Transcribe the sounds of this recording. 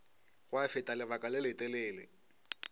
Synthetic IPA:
ɣwafɪtʼalɪβakʼalɪlɪtʼɛleːlɪ

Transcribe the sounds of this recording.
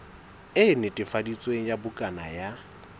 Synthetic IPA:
ɪnɪtʼɪfadit͡sʼweŋ̩jabʊkʼana̰ja

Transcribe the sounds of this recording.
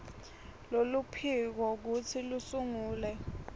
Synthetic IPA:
lolupʰik̬ɔk̬ut͡sʰilusuŋuːlɛ

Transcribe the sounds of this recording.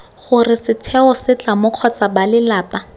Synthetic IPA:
χʊrɪsɪtʰɛɔsɪt͡ɬamʊq͡χʰɔt͡sabalɪlaːpa

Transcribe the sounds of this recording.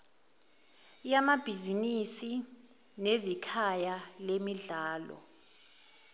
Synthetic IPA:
jamab̥ʱizinisi | nezikʰajalemiɮaːlɔ̰

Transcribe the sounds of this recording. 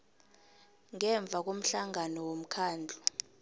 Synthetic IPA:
ŋɛɱb̪vʱak̬om̩ɬaŋanɔwom̩kʰaːnd͡ɮʱu

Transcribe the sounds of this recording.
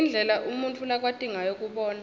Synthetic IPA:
ind͡ɮʱɛlaʔumunt͡fʰʼulak̬wad̥ʱiŋajok̬ʼuɓɔːna

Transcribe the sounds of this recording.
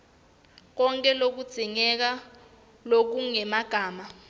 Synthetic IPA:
k̬ɔŋkʼɛlok̬ud̥z̥ʱiŋɛk̬a | lok̬uŋɛmaɡ̥ʱaːma

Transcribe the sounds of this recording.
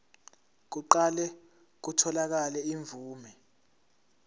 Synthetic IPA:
k̬uǃalɛ | k̬utʰɔlak̬alɛiɱvuːmɛ

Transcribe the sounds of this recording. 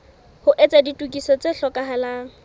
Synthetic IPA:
hʊʔet͡sʼaditʼukʼisɔt͡seɬɔkʼaɦalaːŋ̩

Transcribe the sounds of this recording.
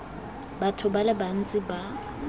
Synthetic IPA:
batʰʊbalɛban̩t͡sʼɪba

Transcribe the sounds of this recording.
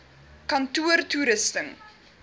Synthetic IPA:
kɐntuərtuɾəstəŋ

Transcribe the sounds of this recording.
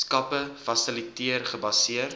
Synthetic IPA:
skɐpəfɐsilitiərχəbɐsiər

